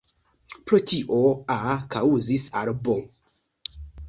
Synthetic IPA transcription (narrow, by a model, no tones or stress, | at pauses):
pɾotiʔoakauzisaɾbo